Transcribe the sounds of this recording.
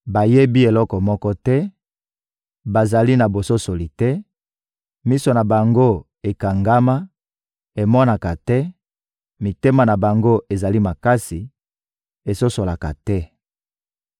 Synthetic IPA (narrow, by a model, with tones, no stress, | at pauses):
ba˨je˦bi˦e˨lɔ˦kɔ˨mɔ˦kɔ˦tɛ˦ | ba˨za˨li˦na˨bo˨so˦so˨li˨tɛ˦ | mi˦so˨na˨ba˨ŋɡo˦ | e˨ka˨ŋɡa˦ma˦ | e˨mɔ˦na˨ka˨tɛ˦ | mi˨te˦ma˨na˨ba˨ŋɡo˦ʔe˨za˨li˦ma˨ka˦si˨ | e˨so˦so˨la˨ka̰˨tɛ˦